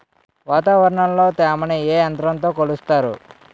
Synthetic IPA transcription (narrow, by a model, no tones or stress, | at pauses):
ʋaːt̪aːʋɐɾɐɳɐmlo̞ːt̪ɛːmɐneeːɐnd̪ɾɐnt̪o̞ːkolust̪aːɾṵ